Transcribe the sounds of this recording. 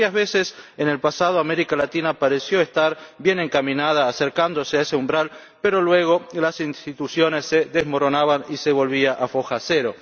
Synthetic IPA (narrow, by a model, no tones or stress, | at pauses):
ajazβesesene̞lpasað̞oameɾikalat̪inapaɾesjo̞est̪aɾbje̞ne̞ŋkamĩnað̞aːseɾkand̪o̞seaeseumbɾal | peɾo̞lwe̞ɣ̞o̞lasinst̪it̪usjo̞nesːeðezmo̞ɾonaβaniseβo̞lβiaʔafo̞xaseɾo